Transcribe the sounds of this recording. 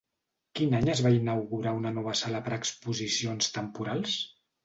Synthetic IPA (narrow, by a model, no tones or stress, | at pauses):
kinaɲəzβainəwɣuɾaunənɔβ̞əsaləpəɾəkspuzisionst̪əmpuɾalˠs